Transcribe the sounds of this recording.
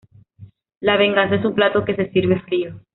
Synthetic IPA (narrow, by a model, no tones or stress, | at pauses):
laβ̞e̞ŋɡans̬ae̞s̬umplat̪o̞ke̞se̞siɾβefɾio